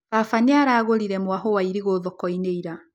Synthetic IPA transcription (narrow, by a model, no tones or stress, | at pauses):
βafaneaɾaːɣoɾiɾɛmwaɦowaiɾiɣoːðɔkɔineiɾa